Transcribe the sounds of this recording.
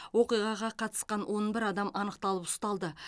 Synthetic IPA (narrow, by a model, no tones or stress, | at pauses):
wo̞qijʁɑʁɑqʰɑt̪ə̥sqɑnwʔo̞nbɪɾɑd̪ɑmʔɑnəq̚t̪ɑlˠəpʊ̥st̪ɑlˠd̪ə